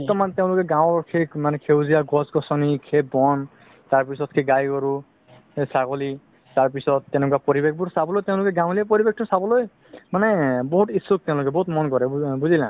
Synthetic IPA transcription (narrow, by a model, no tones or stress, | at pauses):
tːɔmanteʊ̃lʊkɛɡãw̃ɔɹkʰekmanɛkʰewzijaɡɔsɡɔsɔnikʰebɔn | taɹpisɔt̚kʰeɡajkɔɹu | saɡɔli | taɹpisɔtːɛnɛk̬wapɔɹibek̚ʰbʊɹsabɔlojteʊ̃lʊkɛɡãw̃liapɔɹibek̚ʰtɔsabɔloj | manɛbɔɦutisuk̚tɛ̃ʊ̃lʊkɛbɔɦutmɔnkɔɹɛbuzilã̰